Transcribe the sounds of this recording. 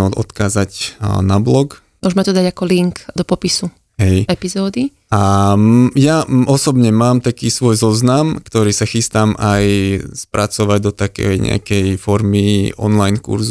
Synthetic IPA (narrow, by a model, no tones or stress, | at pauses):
ɔ̰t̪kaːzaɟnablɔɡ | mʊɔʒmɛt̪ɔd̪aɟakɔliŋkd̪ɔpɔpisu | ɦɛjɛpizɔːd̪i | a | jaɔsɔbɲɛmaːmt̪akiːsʋɔjzɔznamkt̪ɔɾiːsaxist̪aːmʔajspɾʔat͡sɔʋaɟd̪ɔt̪akɛ̰jɲɛ̰a̰kɛjfɔɾmiʔɔ̰nlajnkṵɾzu